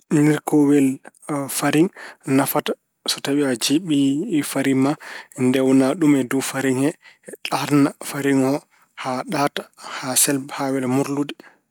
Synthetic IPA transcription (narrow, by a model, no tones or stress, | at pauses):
niɾkɔwɛl | faɾiŋnafatḁ | sɔtaɓiad͡ʒiɓifaɾimandɛwnaɗumɛdufaɾiŋɛɗaɾnafaɾiŋɔ | haɗatḁhasɛlbhawɛlmuɾludɛ